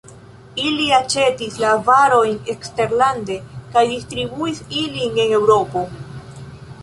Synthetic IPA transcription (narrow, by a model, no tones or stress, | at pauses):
iliat͡ʃe̞tislavaɾo̞jne̞kste̞ɾlande̞kajdistɾibuisiline̞ne̞wɾo̞po̞